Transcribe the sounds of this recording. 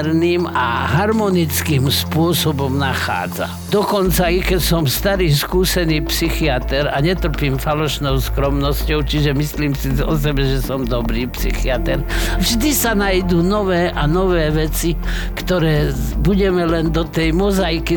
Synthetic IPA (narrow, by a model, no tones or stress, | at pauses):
ɾniːma̰ɦaɾmɔnit͡skiːmspʊɔsɔbɔmnaxa̰ːd͡za̰ | d̪ɔkɔnt͡saikɛcsɔmst̪aɾiːskuːsɛniːpsixiat̪ɛɾaɲɛt̪r̩piːmfalɔʃnɔʊskɾɔmnɔscɔʊt͡ʃiʒɛmisliːmsizɔs̬ɛbɛʒɛsɔmd̪ɔbɾiːpsḭxiat̪ɛɾvʒd̪isanajd̪uːnɔʋɛːʔanɔʋɛːʋɛt͡si | kt̪ɔɾɛː | buɟɛmɛlɛnd̪ɔt̪ɛjmɔzajki